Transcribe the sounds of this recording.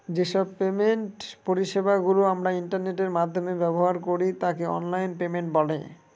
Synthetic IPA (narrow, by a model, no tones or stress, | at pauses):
d͡ʑeʃɔb̚pemenʈpoɾiʃebaɡuloamɾaiɳʈaɾneʈeɾmad̪ʱːomebɛboɦaɾkoɾit̪akeɔ̰nlajnpemeɳʈ̚bɔlḛ